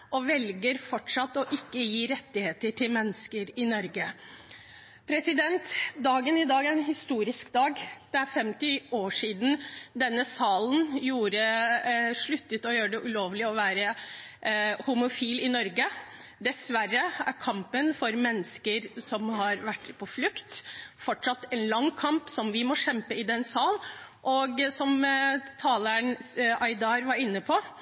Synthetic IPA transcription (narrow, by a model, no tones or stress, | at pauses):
ʔɔʋɛlɡəɾfɔʈʂɑt̪ːɔʔɪkːəjiːɾɛt̪ːɪheːt̪əʈʰɪlmɛnːəskəɾɪnɔɾɡə | pʰɾɛsɪd̪ɛnt̪d̪ɑːɡənɪd̪ɑːɡæɾɛnhɪst̪uːɾɪskd̪ɑːɡd̪̥ɛæɾfɛmt̪ɪoːʂiːd̪n̩d̪ɛnːəsɑːln̩juːɾə | ʂɭʉt̪ːət̪ɔjøːɾəɖɛʔʉloːʋlɪɔʋæːɾə | hʊmʊfiːlɪnɔɾɡə | d̪ɛsʋærːəæɾkʰɑmpənfɔɾmɛnːəskəɾsɔmhɑɾʋæʈːpʰɔflʉkt̪fɔʈʂɑt̪ːɛnlɑŋːkʰɑmpsɔmʋɪmɔʃɛmpəɪd̪ɛnsɑːlʔɔɡsɔmt̪ʰɑːləɳɑɪd̪ɑːɾʋɑɾɪnːəpʰɔ